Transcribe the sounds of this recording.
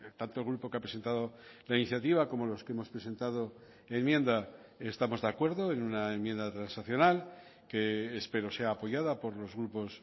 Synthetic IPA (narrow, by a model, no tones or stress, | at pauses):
t̪ant̪olɣɾupo̞keapɾe̞se̞nt̪aðo̞lainiθjat̪iβ̞ako̞mo̞lo̞skeemo̞spɾese̞nt̪að̞o̞ | e̞mmje̞nd̪a | est̪amo̞zðeakwe̞ɾðo̞e̞nunaemje̞nd̪at̪ɾansaθjo̞nal | keːspe̞ɾo̞se̞aːpo̞ʝaðapo̞ɾlo̞zɣɾupo̞s